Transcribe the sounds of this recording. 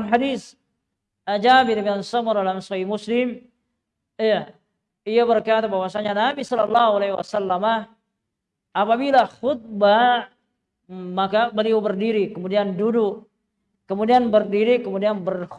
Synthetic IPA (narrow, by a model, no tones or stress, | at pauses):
mɦadis | ʔad͡ʒabidabiansɔmɔrdalamsɔhimuslɪm | ija | ijaβərkat̪abawasaɲanabisɔlalːahualawa̰salːama | apabilaxʊt̪̚ba | makabəliubərdiɾikəmudiandudʊk | kəmudianbərdiɾikəmudianbər